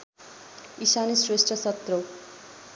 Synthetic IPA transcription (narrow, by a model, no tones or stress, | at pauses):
isanisresʈrʌsʌt̪ro